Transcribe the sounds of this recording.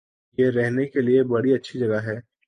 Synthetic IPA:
jeɾɛɦnekeliebɐɽiɐtːʃʰid͡ʒɐɡaɦɛː

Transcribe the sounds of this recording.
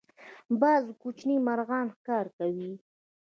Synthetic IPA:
bɑzkut͡ʃnimaɾɣɑnxkɑɾkawi

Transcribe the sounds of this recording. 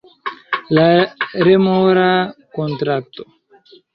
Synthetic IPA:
laɾemoɾakontɾak̚to

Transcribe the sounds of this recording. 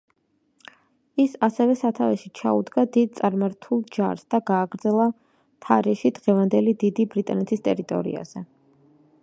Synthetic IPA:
isasɛvɛsat̪ʰavɛʃit͡ʃʰa̰ud̪ɡad̪id̪̚t̪sʼaɾmaɾt̪ʰulˠd͡ʒa̰ɾsd̪aɡaːɡɾd̪zɛlˠa | t̪ʰaɾɛʃid̪ʁɛvand̪ɛlid̪id̪ibɾit̪ʼanɛt̪ʰist̪ʼɛɾit̪ʼɔ̰ɾḭa̰z̥ɛ

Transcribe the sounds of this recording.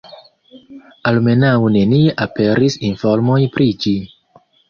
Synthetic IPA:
alme̞nawne̞nieʔape̞ɾisinfo̞ɾmo̞jpɾid͡ʒi

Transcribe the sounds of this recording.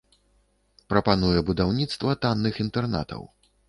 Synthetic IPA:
pɾɐpanujɛbud̪awnʲit̪st̪vɐt̪anːɨxint̪ɛrna̰t̪ʰɐ̰w

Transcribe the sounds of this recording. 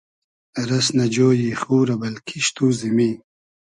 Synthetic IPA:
ɾɐsnɐd͡ʑoːjixuːɾɐbɐlkʰiʃt̪uːzimi

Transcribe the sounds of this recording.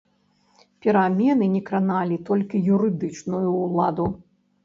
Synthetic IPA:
pʲɛɾamʲɛnɨnʲɛkɾanalʲit̪ɔlʲkʲijuɾɨd̪ɨt͡ʂnujuːlˠad̪u

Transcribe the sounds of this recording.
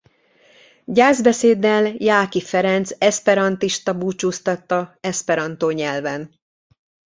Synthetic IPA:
ɟaːzbɛseːd̪ːɛljaːkifɛɾɛnt̪sɛspɛɾɒnt̪iʃt̪ɒbuːt͡ʃuːst̪ɒt̪ːɒɛspɛɾɒnt̪oːɲɛlvɛn

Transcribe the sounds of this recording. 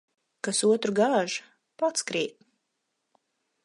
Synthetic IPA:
kasuɔt̪ɾuɡaːʒ | pat̪skɾiːt̪̚

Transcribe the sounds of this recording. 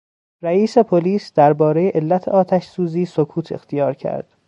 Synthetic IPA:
ɾæiːse̞pʰoliːsd̪̥æɾbɒːɾejeʔelːæt̪ʰḛɒːt̪ʰæʃsuːziːsokʰuːt̪ʰe̞xt̪ʰijɒːɾcʰæ̰ɾd̪̥

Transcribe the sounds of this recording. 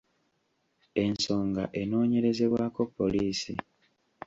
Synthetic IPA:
e̞nso̞ːŋɡa̰ʔe̞no̞ːɲe̞ɾe̞ze̞βwaːko̞pːo̞liːsḭ

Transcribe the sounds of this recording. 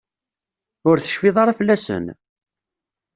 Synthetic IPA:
ʊɾθə̥ʃfɪðˤɑɾˤɑfəlːæsə̰n

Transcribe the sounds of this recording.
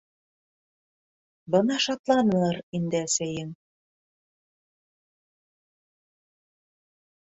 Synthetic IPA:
bɤnɑʃɑt̪lˠɑnɤ̆lˠɑɾind̪ɘæsæjɘŋ

